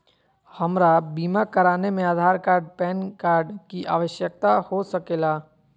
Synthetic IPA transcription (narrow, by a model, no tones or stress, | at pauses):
hɐmɾabiːmakəɾaːnemẽaːd̪ʱaːɾkaːɾɖ̚pɛːnkaːɾɖkiʔaːʋəʃjək̚t̪ahosəkeːlaː